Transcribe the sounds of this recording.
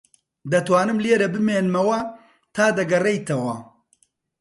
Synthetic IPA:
d̪ɐt̪waːnɨmleːɾɐbɨmeːnmɐwɐ | t̪ʰaːd̪ɐɡɐrejt̪ʰɐwɐ

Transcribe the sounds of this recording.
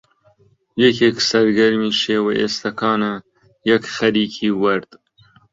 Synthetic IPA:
jekʰeːksɐɾɡɐɾmiːʃeːwɐʔeːst̪ɐkʰɑːnɐ | jɐkxɐɾiːkʰiːwɐɾd̪̥

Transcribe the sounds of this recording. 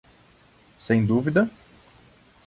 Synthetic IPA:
sẽj̃d̪uvid̪ɐ

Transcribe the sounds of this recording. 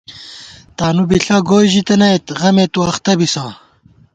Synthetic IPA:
t̪aːnubiɬaːɡoːjʑit̪ɐnɐet̪ʁɐmet̪uɐχt̪ɐbisãː

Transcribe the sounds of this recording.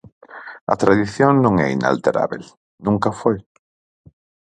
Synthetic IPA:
a̰t̪ɾaðiθjoŋnõŋɛ̰ina̰lt̪eɾa̰βel | nũŋkafoj

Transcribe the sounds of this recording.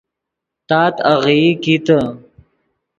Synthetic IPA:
t̪aːt̪aɣikit̪ə

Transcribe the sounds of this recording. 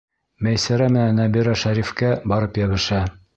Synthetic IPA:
mæjsæɾæmɘ̆nænæbiɾæʃæɾifkæbɒɾɤpjæβɘ̆ʃæ

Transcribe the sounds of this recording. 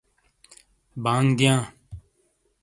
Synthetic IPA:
bãːŋɡd̪ɪjãː

